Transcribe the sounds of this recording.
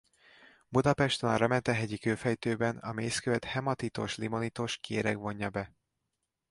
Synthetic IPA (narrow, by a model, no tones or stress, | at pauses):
bud̪ɒpɛʃt̪ona̰ːɾɒmɛnt̪ɛɦɛɟikøːfɛjt̪øːbɛnɒmeːskøvɛt̪hɛmɒt̪it̪o̞̰ʃlimo̞nit̪oʃkeːɾɛɡʋo̞ɲːɒbɛ